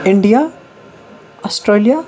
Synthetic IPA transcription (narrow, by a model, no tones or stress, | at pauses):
ɪɳɖija | ɔsʈɾeːlija